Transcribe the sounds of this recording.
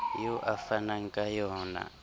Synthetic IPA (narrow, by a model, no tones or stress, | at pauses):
jɔʔafanaŋkʼajɔːna̰